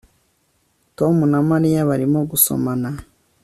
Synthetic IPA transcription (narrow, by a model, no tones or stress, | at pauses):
to̞munamaɾijaβaɾimoɡuso̞̰mana